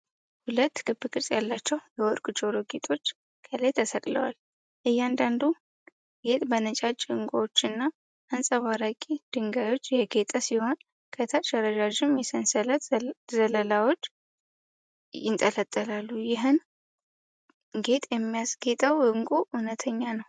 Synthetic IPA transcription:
hulət̪ːɡɨbːɨkʼɨɾsʼjalːat͡ʃːɛwjɛwɔɾkʼut͡ʃʼoɾoɡet̪ʼo̞t͡ʃː | kʰəlajt̪ʰəsəkʼlə̰wa̰l | ʔɨjːand̪and̪u | ɡe̞t̪ʼbənət͡ʃʼat͡ʃʼːɨŋkʷʼoot͡ʃːɨnːa | ʔansʼəβaɾakʼid̪̥ɨŋɡajwo̞t͡ʃːjɛɡe̞t̪ʼasiho̞n | kʰət̪ʰaʃəɾəd͡ʒaʒɪmjɛsənsələt̪zələlawo̞t͡ʃː | jɪnt̪ʼələt̪ʼːəlalːujɪɦɨn | ɡe̞t̪ʼjɛmːijasɡe̞t̪ʼəwɨŋkʼuʔunət̪ʰəɲːanəw

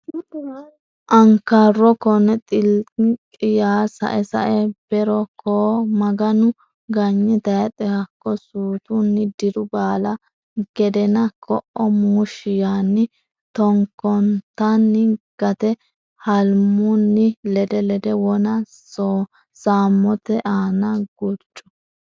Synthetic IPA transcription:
ʔɐŋkːɐrːɔkɔnɛt̪ʼɪlkʼɪjaːsɐ̰ʔɛsɐ̰ʔɛb̥ɛɾɔkʰɔmɐɡɐnʊ | ɡɐɲːɪt̪ɐjɐt̪ʼɛhɐkːɔsuːt̪ʊnːɪd̪ɪɾʊbaːlɐ | ɡ̥ɛd̪ɛnɐkʰɔʔɔmuːʃɪjanːɪ | t̪ɔŋkːɔnt̪ːɐnːɪɡ̥ɐt̪ɛ | hɐlmmʊnːɪlɛd̪ɛlɛd̪ɛwɔnɐ | so | saːmːɔt̪ɛʔaːnɐɡ̥ut͡ʃʼːɔ̥

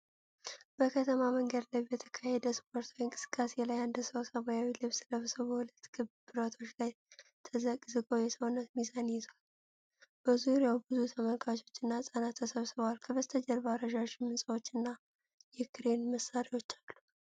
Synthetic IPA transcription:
b̥əkʰət̪ʰəmaməŋɡəd̪lajbɛt̪ʰə̥kʰahed̪əspʰo̞ɾt̪ʰwiɨŋkʼɨ̥sɨ̥kʼːase̞lajand̪səwsəmajawilɨβsləβsəβəhulət̪ːɡɨbbɨɾət̪ʰo̞t͡ʃːlajt̪ʰəzəkʼzɨɡʼo̞jɛsəwnːət̪mizanjizal | b̥əzuɾjawbɨzut̪ʰəməlkʰʼat͡ʃʼo̞t͡ʃːɨnːasʼanat̪ʰːəsəβsɨβəwalkʰəβəzt̪ʰəd͡ʒəlβaɾəʒaʃɪmːɨnsʼəwot͡ʃːɨnːa | jɛkʰɨɾe̞nməsːaɾiwo̞t͡ʃːalːu̥

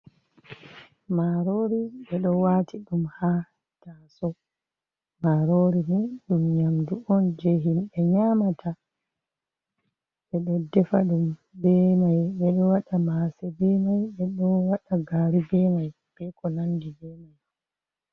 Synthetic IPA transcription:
maɾoɾiɓɛɗɔwatiɗumha | tasɔ | maɾoɾiniɗumɲamduʔɔnd͡ʒɛɦimɓɛɲamatʰa | ɓɛɗɔdɛfa̰ɗumbɛmajɓɛɗɔwaɗamasɛbɛmajɓɛɗɔwaɗaɡaːɾibɛmaj | b̥ɛkɔnandibɛmaj

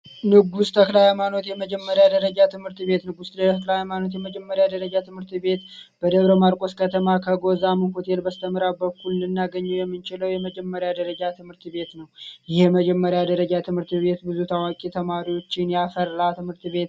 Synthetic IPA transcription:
nɨɡust̪ʰəklajɛmano̞t̪jɛməd͡ʒɛmːəɾjad̪əɾəd͡ʒat̪ʰɨmhɨɾt̪βe̞t̪nɨɡusd̪əklajmano̞t̪̬jɛməd͡ʒɛmːəɾjad̪əɾəd͡ʒat̪ʰɨmhɨɾt̪be̞t̪b̥əd̪əβɾəmaɾkʼo̞skʰət̪ʰəmakʰəɡo̞zamɨnho̞t̪ʰe̞lbəst̪ʰəmɾabəkːulːɨnːaɡəɲːɛwjɛmːɨnt͡ʃɪləwjɛməd͡ʒɛmːəɾjad̪əɾəd͡ʒat̪ʰɨmhɨɾt̪βe̞t̪nəwjɪheməd͡ʒɛmːəɾjad̪əɾəd͡ʒat̪ʰɨmhɨɾt̪βe̞t̪bɨzut̪ʰawakʼit̪ʰəmaɾiwo̞t͡ʃːɪnjafəɾlat̪ʰɨmhɨɾt̪βe̞t̪

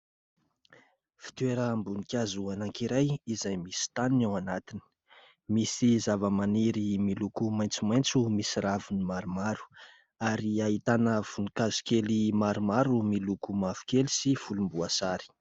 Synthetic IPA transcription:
fi̥t̪weɾəmbunikʲazuanaŋkiɾajizajmisi̥t̪aninawanat̪ini̥ | misizavəmaniɾimilukumaj̃nt͡sumajnt͡sumisiɾavunimaɾumaɾu̥ | aɾiaɦit̪anav̥unikazi̥kelimaɾumaɾumilukumav̥u̥kelisifulumbuasaɾi̥

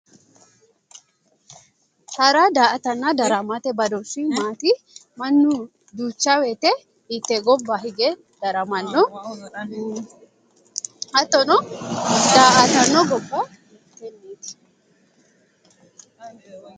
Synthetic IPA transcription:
hɐɾad̪aːʔɐt̪ɐnːɐd̪ɐɾɐmat̪ɛbɐd̪ɔsimaːt̪i | mɐnːʊ | d̪uːt͡ʃːaweːt̪ɛ | ɪt̪ːɛɡɔbːɐɦɪɡɛ | d̪̥ɐɾɐmɐnːɔ | hɐt̪ːɔnɔ | d̪aːʔɐt̪ɐnːɔɡɔbːɐ | t̪ːɛnːes

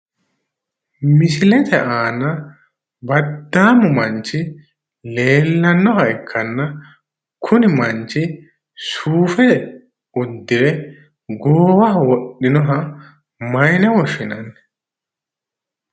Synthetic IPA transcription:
mɪsɪlɛt̪ʰɛʔaːnɐ | bɐd̪ːaːmʊmɐɲt͡ʃːɪ | le̞ːlːɐnːɔɦɐɪkʰːɐnːɐ | kʰʊnɪmɐɲt͡ʃːɪ | suːfɛ | ʊd̪ːɪɾɛ | ɡoːwɐwɔɗːɪnɔɦɐ | mɐjnɛwɔʃɪnɐnːɛ

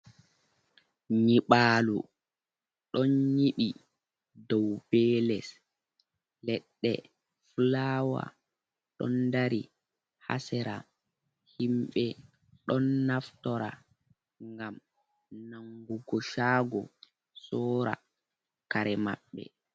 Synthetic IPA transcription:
ɲiɓaːlṵ | ɗɔnɲiɓi | dɔwbɛːlɛs | lɛɗːɛ̰ | fulawa̰ | ɗɔ̰ndaɾi | ha̰sɛɾa | himɓɛ | ɗɔnːaftɔɾa | ŋɡam | naŋɡuɡɔʃaːɡɔ | sɔːɾa̰ | kaɾɛma̰ɓːɛ̰

